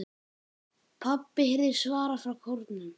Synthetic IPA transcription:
pʰapːɪheɾðɪɾ̥svaːɾafɾawkʰowɾt̪nʏm

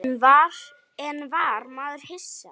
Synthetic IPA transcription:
nvaɾ | ɛnvaɾmaːðʏɾ̥hɪsːa

